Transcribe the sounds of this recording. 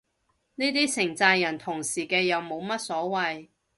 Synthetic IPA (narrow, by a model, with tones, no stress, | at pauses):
neː˥t̪iː˥sʰɪ˨˩ŋt͡saː˧jɐ˨˩nt̪ʰʊ˨˩ŋsiː˨˩kɛː˧jɐ˨˧wmo˨˧wmɐ˥t̚sɔː˨˥wɐ˨˧j